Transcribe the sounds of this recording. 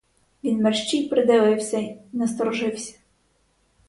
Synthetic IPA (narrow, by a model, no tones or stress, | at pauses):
ʋʲinmɛrʃt͡ʃijpɾɪd̪ɪʋɪwsʲɐinɛst̪ɔɾɔʒɪwsʲɐ̥